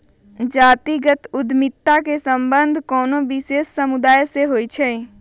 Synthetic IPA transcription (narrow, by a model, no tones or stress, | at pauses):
d͡ʒaːt̪iɡət̪ʊd̪mɪt̪ːakesə̃mbə̃nd̪ʱkɔːnõʋɪʃeːsːəmʊd̪aːjseɦoːit͡ʃʰɛ